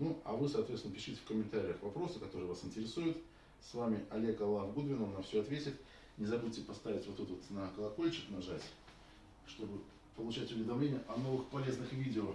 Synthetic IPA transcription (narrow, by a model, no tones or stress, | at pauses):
nuɐ̰vɨsɐːt̪vʲet̪sʲɪnəpʲɪʂɨtʲɪ̥fkəmʲɪnt̪aɾʲɪjəxvɐpɾo̞sɨkɐt̪o̞ɾɨjəvasɨnʲtʲɪɾʲɪsujʊt̪ | svamʲɪɐlʲe̞kɐlˠafɡud̪vʲɪnəmnɐfsʲoɐt̪vʲetʲɪt̪ | nʲɪzɐbutʲɪpɐst̪avʲɪtʲvo̞t̪ɛt̪ot̪nəkəlˠɐko̞lʲt͡ɕɪknɐʐatʲ | ʂt̪o̞bɨ | pəlˠʊt͡ɕætʲʊvʲɪd̪ɐmlʲenʲɪjəʔɐno̞vɨxpɐlʲe̞znɨxvʲidʲɪo